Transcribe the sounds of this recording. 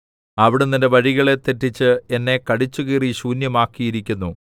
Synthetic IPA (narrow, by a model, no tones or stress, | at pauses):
ɐʋiɽenːinde̞ʋɐɻiɣɐɭe̞t̪etːit͡ɕːɨe̞nːe̞kɐɽit͡ɕːuɣiːriɕuːnjɐmaːkːijiɾikʲːunːu